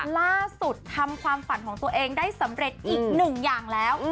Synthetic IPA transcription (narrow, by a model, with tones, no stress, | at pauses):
laː˥˩su˨˩t̪ʰːa˧mkʰwaː˧mfa˨˩˦nkʰɔː˩˦ŋt̪u˧əʔeː˧ŋdaː˥˩jsa˨˩˦mɾe˨˩t̪̚ʔiː˨˩k̚nɯ˨˩ŋjaː˨˩ŋlɛː˦˥w